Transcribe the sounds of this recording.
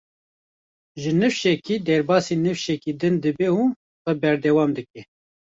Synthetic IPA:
ʒɨnɨfʃɛkiːd̪ɛɾbɑːsiːnɨfʃɛkiːd̪ɨnd̪ɨbɛu | xɛbɛɾd̪ɛwɑːmd̪ɨkɛ

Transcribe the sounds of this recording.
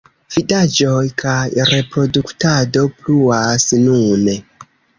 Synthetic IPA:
v̥idad͡ʒo̞jkʰajɾe̞pɾo̞duktado̞pluasnune

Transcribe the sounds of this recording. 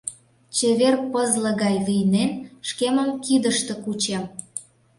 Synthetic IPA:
t͡ɕeβerpəzlə̆ɣɑjlijnenʃkeməmkid̪əʃt̪ĕkut͡ɕem

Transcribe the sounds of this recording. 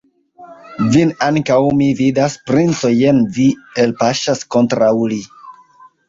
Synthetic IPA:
vinaŋkawmividaspɾint͡so̞jenvielpaʃasko̞ntɾawli

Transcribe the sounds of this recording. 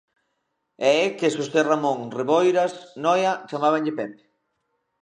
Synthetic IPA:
ɛɛkesost̪eramõŋreβojɾasnɔjat͡ʃamaβ̞aŋʎɪpɛpe̥

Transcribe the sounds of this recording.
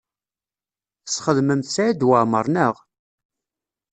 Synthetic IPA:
θəsχəðməmθsʕid̪wəʕməɾˤnəʁ

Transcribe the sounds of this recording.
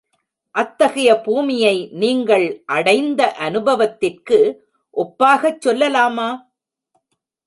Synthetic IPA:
ʔɐt̪ːɐɣɐjɐbuːmɪjɐɪniːŋɡɐɭʔɐɽɐɪnd̪ɐʔɐnɯbɐʋɐt̪ːɪrkɯ | ʔɔpːaːɣɐt͡ʃːɔlːɐlaːmaː

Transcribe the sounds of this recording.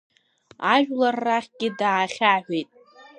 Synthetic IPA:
aʒᶣlarːaχʲɡʲɪdaːχʲaħʷᶣejtʼ

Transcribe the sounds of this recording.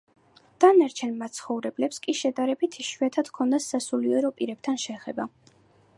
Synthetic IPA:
d̪̥anaɾt͡ʃʰɛnmat̪sʰχɔvɾɛblɛpskʼiʃɛd̪aɾɛbit̪ʰiʃwiat̪ʰad̪̥kʰɔnd̪asːasuliɔɾɔpʼiɾɛb̥̚t̪ʰanʃɛːχɛba

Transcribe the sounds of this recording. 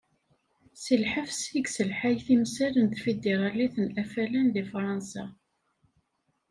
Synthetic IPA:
silħəfsiɡsəlħajθimsælənt̪fid̪eɾˤɑliθənʔæfælænðifɾˤɑnsa̰

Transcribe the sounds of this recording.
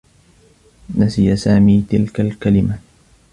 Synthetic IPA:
nasɪjasaːmiːt̪ɪlkalkalɪma

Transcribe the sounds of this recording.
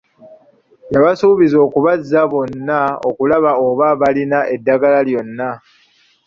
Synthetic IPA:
jaβasuːβizo̞ːkuβazːaβo̞nːao̰kulaβao̞βaβalinaʔe̞dːaɡalaljo̞nːa

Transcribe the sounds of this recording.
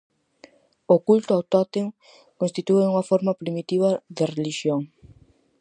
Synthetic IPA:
okult̪ʊawt̪at̪eŋ | kõnst̪it̪ueuŋɐfoɾmɐpɾimit̪iβ̞ɐðereliʃjoŋ

